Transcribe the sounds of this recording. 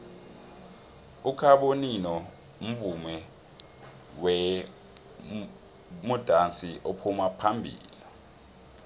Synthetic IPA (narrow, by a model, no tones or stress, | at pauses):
ukʰaɓoninɔ | um̩vumɛ | wɛ | mud̥ʱant͡siʔopʰumapʰambʱḭːli